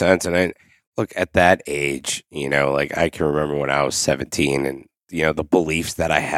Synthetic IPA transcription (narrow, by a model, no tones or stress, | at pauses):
ɛ̃nsɨ̃nãɪ | lʊkʰɨt̪̚ðɨɾeɪd̥ʒ̥jɨnoʊla̰ɪka̰ɪkʰn̩ɹɨmɛ̃mbə˞wə̃na̰ɪwʌ̰z̥sɛvɨ̃n̩tʰĩnɨ̰̃n | jɨnoʊðəbəlifsðɨɾaɪɨ